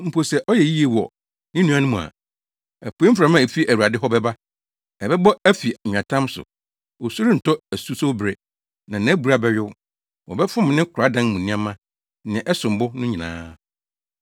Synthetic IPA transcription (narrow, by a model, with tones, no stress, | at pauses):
m̩˨pʰo˨sɛ˨ʔɔ˦jɛ˨ji˦e˨wɔ̰˨ | nɪ̃˦nũ˦a˦nʊ̃˦mũ˨a̰˨ | æ˨pʰu˨˦e˦m̩˦fɾa˨mã˦˨e˨fi˦ʔæ˨wu˨a˨dɪ˦ɦɔ˦bɛ˦ba˦ | ɛ˨bɛ˦bɔ˦æ˦fi˨ã˨tʰã˦msʊ̰˨ | wo˨su˦ɾɪ˦n̩˨tʰɔ˦æ˨su˦so˦bɾɛ˨ | nã˨n˨˦æ˦bu˨ɾa˦bɛ˨ɥʊ˦ | wɔ̰˨bɛ˦fʊ̃˦m˨nɪ̃˦kʰʊ˨ɾa˨˦dã˦n˦mũ˨nĩ˦ã˦mã˦ | nɪ̃˨ʔɛ˦sʊ̃˨m˨bʊ˦nʊ̃˦ɲĩ˨nã̰ː˦